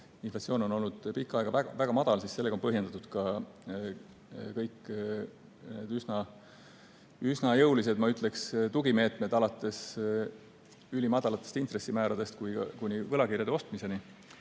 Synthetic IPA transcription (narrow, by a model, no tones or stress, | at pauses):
inflɑt̪sioːno̞no̞lnːud̪̥pikːˑɑeɡ̥ɑvæɡɑvæɡ̥ɑmɑd̪̥ɑlsisse̞lːeɡɑo̞npɤɦjend̪ɑt̪ud̪̥kɑ | kɤjkː | ned̪̥ysnɑ | ysnɑjɤwlis̬e̞d̪mɑyt̪ˑle̞kst̪uɡ̥ime̞ːt̪me̞d̪ɑlɑt̪ːˑe̞s | ylʲimɑd̪ɑlɑt̪ːˑest̪int̪re̞sːimæːɾɑd̪̥e̞st̪kujɑ̰kunʲivɤlɑkiɾrjɑd̪eo̞st̪mise̞ni